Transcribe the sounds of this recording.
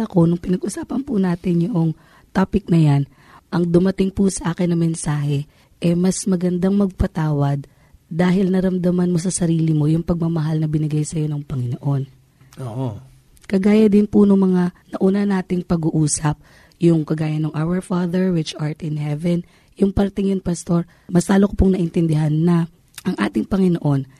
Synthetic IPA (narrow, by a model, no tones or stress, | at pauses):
ɐko̞nʊŋpɪnɐɡʔʊsaːpɐnpʊnaːt̪ɪnjʊʔoŋ | t̪apɪk̚nɐjan | ʔɐŋd̪ʊmɐt̪ɪŋpusɐʔaːkɪnːɐŋmɛnsaːɦɛ | ʔɛmɐsmɐɡɐnd̪aŋmɐɡ̚pɐt̪aːwɐd̪̚ː | aːɦɪlnɐɾɐmd̪ɐmɐnmo̞sɐsɐɾiːlɪmo̞jʊŋpɐɡ̚mɐmɐɦalnɐbɪnɪɡajsɐjo̞nɐŋpɐŋɪnoʔo̞n | ʔoʔo | kɐɡaːjɐd̪ɪnpʊnʊŋmɐŋanɐʔunɐnaːt̪ɪŋpɐɡuʔuːsɐp̚ | jʊŋkɐɡaːjɐnɐŋʔawɛɹfaːd̪ɛɹwɪt͡ʃhaɹt̪ɪnhɛvɛn | jʊŋpɐɾt̪ɪŋjʊŋpɐst̪o̞ɹ | mɐslaːlokopʊŋnɐʔɪnt̪ɛnd̪ɪɦanːɐ | ʔɐŋʔa̰ːt̪ɪŋpɐŋɪno̞ʔo̞n